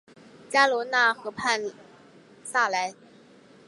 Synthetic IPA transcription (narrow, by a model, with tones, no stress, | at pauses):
t͡ɕja˥lwɔ˧˥na˥˩xɤ˧˥pʰa˥˧n | sa˥˩la˧˥ɪ